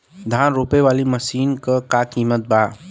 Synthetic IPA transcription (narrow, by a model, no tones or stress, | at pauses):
d̪ʱaːnɾoːpeʋaːliməʃiːnkakakiːmət̪̚baː